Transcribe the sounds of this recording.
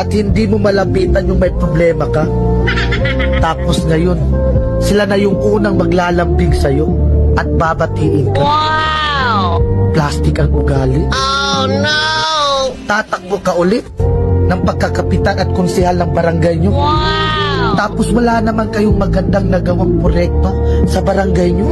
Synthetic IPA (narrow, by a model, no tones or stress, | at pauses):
ʔɐt̪̚hɪnd̪iːmomɐlɐmpiːt̪ɐnjʊŋmɐjpɾoblɛːmɐkɐ | t̪aːpo̞sŋɐjo̞n | sɪlanɐjʊŋʔuːnɐŋmɐɡlaːlɐmpɪŋsɐjo̞ʔɐt̪̚baːbɐt̪iːʔɪnkɐ | plast̪ɪkɐŋʊɡaːlɪ | t̪aːt̪ɐk̚bokɐʔʊlɪt̪̚nɐŋpɐɡ̚kːɐkɐpɪt̪anʔɐt̪̚kʊnsɛhalnɐŋbɐɾɐŋɡajɲo̞ | t̪aːpo̞swɐlaːnɐmankɐjoŋmɐɡɐnd̪aŋnɐɡɐwaŋpɾojɛk̚t̪o̞sɐbɐɾɐŋɡajɲo